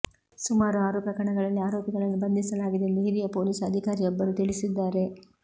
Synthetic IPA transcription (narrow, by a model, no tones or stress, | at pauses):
sumaːɾuaːɾuːpɐkɐɳɐɡɐɭɐlːiaːɾoːpiɡɐɭɐnːubɐnd̪ʱisɐlaːɡid̪end̪eɦiɾijɐpo̞ːliːsɐd̪ʱikaːɾijɔbːɐɾut̪iɭisid̪ːaːɾe̞